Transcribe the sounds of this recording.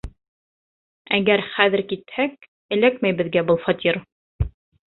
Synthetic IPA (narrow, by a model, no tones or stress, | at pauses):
æɡæɾχæðɘ̆ɾkit̪hæk̚ | ɘ̆lækmæjbɘ̆ðɡæbɤlˠfɑt̪ʲʰiɾ